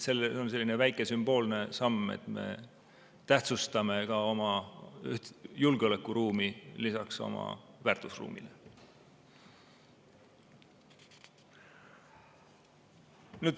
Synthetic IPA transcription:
selːonse̞lːinevæjkˑe̞symb̥o̞ːlne̞sɑmːḛt̪ˑme̞̰ | t̪æht̪sust̪ɑme̞kɑo̞mɑyht̪julɡ̥eo̞le̞kːˑuɾuːmilisɑkso̞̰mɑ̰vært̪ˑusrṵːmḭle | nyːd̪̥

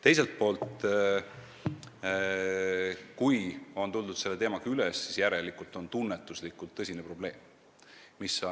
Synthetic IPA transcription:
t̪e̞jse̞lt̪̚po̞ːlt̪ | kujo̞nt̪uld̪ud̪̥se̞lːeːmɑɡɑylesːisjæɾe̞likult̪o̞nt̪unːet̪ːˑuslikːˑult̪ːɤsʲinepro̞b̥le̞ːmː | iso

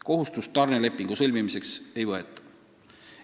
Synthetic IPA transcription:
ko̞ɦust̪ust̪ːɑrnele̞pːˑiŋɡ̥usɤlʲmimise̞kse̞jvɤet̪ːˑɑ̥

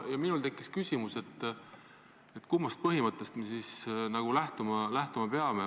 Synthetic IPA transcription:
jɑminult̪ekːˑiskysʲimuse̞t̪ːˑ | et̪ːˑkumːɑst̪̚pɤɦimɤt̪ːˑest̪me̞sisnɑɡ̥ulæht̪umɑlæht̪umɑpeɑme

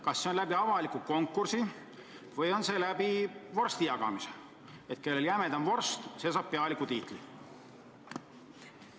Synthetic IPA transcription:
kɑsːeo̞nlæbiɑvɑlikuko̞ŋkːˑursi | vɤjo̞nse̞læbivo̞rst̪ijɑɡ̥ɑ̰mise̥ | et̪ke̞lːe̞ljæmed̪ɑnvo̞rst̪se̞ːsɑːb̥̚pe̞ɑlikːˑut̪iːt̪ˑlḭ

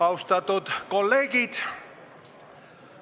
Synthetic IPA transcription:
ɑwst̪ɑt̪ut̪kolːeːɡit̪

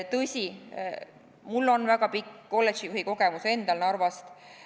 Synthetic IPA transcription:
t̪ɤsʲi | mulːo̞nvæɡɑpikːko̞lːet̪t͡ʃijuhiko̞ɡ̥emuse̞nd̪ɑlnɑrvɑst̪

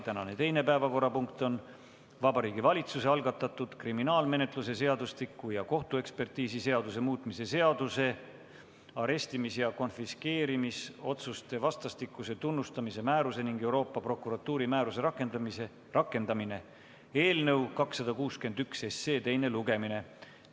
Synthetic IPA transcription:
t̪ænɑne̞t̪e̞jne̞pæevɑko̞rːɑpuŋk̚t̪o̞n | vɑbɑɾiːɡ̥ivɑlʲit̪suse̞ɑlɡ̥ɑt̪ːˑɑt̪ːˑud̪̥kriminɑːlme̞ne̞t̪ˑluse̞se̞ɑd̪ust̪ikːujɑko̞ht̪ue̞kspe̞rt̪iːsise̞ɑd̪us̬e̞muːt̪ːˑmise̞se̞ɑd̪̥use̞ | ɑɾe̞st̪imisjɑko̞nfiske̞ːɾimiso̞t̪sust̪e̞vɑst̪ɑst̪ikːˑuse̞t̪unːust̪ɑmise̞mæːɾuse̞niŋɡ̥e̞wɾo̞ːpːˑɑpro̞kːˑuɾɑt̪ːuːɾimæːɾuse̞ɾɑkːˑe̞nd̪ɑmise | rɑkːˑe̞nd̪̥ɑmine̞ | e̞ːlnɤ̞wkɑksːɑd̪̥ɑkuːske̞nd̪yksese̞ːt̪e̞jne̞luɡe̞mine̞

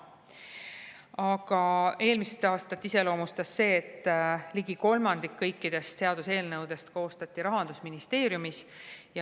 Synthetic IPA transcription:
ɑɡ̥ɑe̞ːlmiset̪ɑːst̪ɑt̪ːˑise̞lo̞ːmust̪ɑsːe̞ːt̪ːˑliɡ̥iko̞lmɑnd̪̥ikːɤjkːid̪̥e̞st̪se̞ɑd̪̥use̞ːlnɤwd̪̥e̞st̪ko̞ːst̪ɑt̪ʲːˑiɾɑɦɑnd̪̥usminist̪e̞ːɾjumisjɑ

